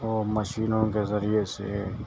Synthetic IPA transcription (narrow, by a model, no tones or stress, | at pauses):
ɔːɾməʃiːnõkezəɾiesḛ